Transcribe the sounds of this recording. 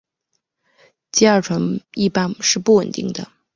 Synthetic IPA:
t̪i˥˧ɐ˞˥˩ʈ͡ʂʰwə˧˥ni˥˩pa˥nʂɻ̩˥˧pu˥˩wə˨˩nt̪i˥˩ŋd̪ə˩

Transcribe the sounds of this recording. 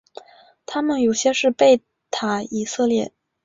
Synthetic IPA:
t̪ʰa˥mə˨njo˨˩ʊɕjɛ˥ʂɻ̩˥˧pe˥˩ɪ | t̪ʰa˨˧˥i˨˩sɤ˥˧ljɛ̰˥˩

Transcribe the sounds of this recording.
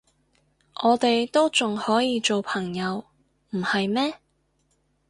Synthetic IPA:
ʔɔː˨˧t̪e˨jt̪o˥wt͡sʊ˨ŋhɔː˨˥jiː˧t͡so˨wpʰɐ˨˩ŋjɐ˨˧w | m̩˨˩hɐ˨jmɛː˥

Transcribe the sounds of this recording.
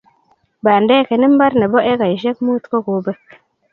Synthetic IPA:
ba˨nde˦ke˨ni˦mba˦ɾne˨bo˦ʔe˦ka˨jʃe˦kmu˦t̪ko˦ko˨be˦k

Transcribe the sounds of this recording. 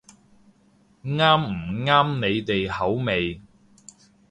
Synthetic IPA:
ŋaː˥mm̩˨˩ŋaː˥mne˨˧jt̪e˨jhɐ˨˥wme˨˧j

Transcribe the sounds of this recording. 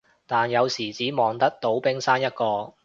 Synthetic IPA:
t̪aː˨njɐ˨˧wsiː˨˩t͡siː˨˥mɔː˨˩ŋt̪ɐ˥k̚t̪o˨˥wpɪ˥ŋsaː˥njɐ˥t̚kɔː˧

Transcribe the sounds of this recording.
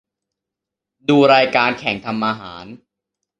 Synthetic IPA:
duː˧ɾaː˧jkaː˧nkʰɛ˨˩˦ŋt̪ʰa˧mʔaː˧ɦaː˩˦n

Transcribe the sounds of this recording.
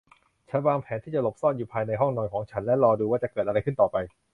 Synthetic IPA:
t͡ɕʰa˦˥nwaː˧ŋpʰɛː˩˦nt̪ʰiː˥˩t͡ɕa˨˩lo˨˩p̚sɔː˥˩njuː˨˩pʰaː˧jna˧jɦɔ˥˩ŋnɔː˧nkʰɔː˩˦ŋt͡ɕʰa˦˥nlɛ˦˥ɾɔː˧duː˧waː˥˩t͡ɕa˨˩kɤː˨˩t̪̚a˧ɾa˧jkʰɯ˥˩nt̪ɔː˨˩pa˧j

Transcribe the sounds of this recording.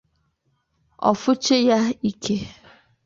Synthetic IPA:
ɔ̰˨fʊ˦t͡ʃe˦ja˦i˦kʰe˦

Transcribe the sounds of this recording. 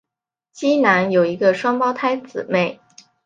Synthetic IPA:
t͡ɕi˥na˧˥njo˨˩ʊi˧˥ɡə˧ʂwɑ˥ŋpɑ˥ʊt̪ʰa˥ɪt͡sɹ̩˨˩me˥˩ɪ

